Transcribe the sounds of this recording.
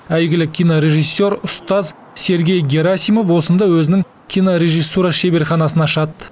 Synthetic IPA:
æjɡʲɪlɪkʲʰijnoɾʲe̞ʒijsːe̞ɾʊst̪ɑz | se̞ɾɡʲe̞jɡʲe̞ɾasijmo̞fwo̞sənd̪ɑwɵzɪnɪŋ | kʲʰijnoɾʲe̞ʒijsːuɾɑʃebe̞ɾχɑnɑsənɑʃɑt̪ə̥

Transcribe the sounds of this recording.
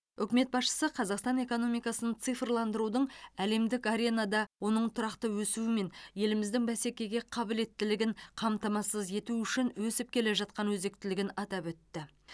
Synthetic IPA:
ʏkʲɪme̞t̪̚bɑsʃə̥səqʰɑzɑqst̪ɑne̞ko̞no̞mijkɑsənət̪sɨfrlˠɑnd̪əɾud̪əɴæle̞md̪ɪkaɾʲe̞nɑd̪ɑwo̞nəɴt̪ʰʊɾɑqt̪əwɵsuwɪme̞nje̞lɪmɪzd̪ɪŋbæse̞kʲe̞ɡʲe̞qʰɑbɪle̞t̪ːɪlɪɡʲɪɴqʰɑmt̪ɑmɑsəze̞t̪uʏʃɪnwɵsɪp̚kʲʰe̞le̞ʒɑt̪̚qɑnwɵzd̪e̞k̚t̪ɪlɪɡʲɪnɑt̪ɑpwɵt̪ːɪ

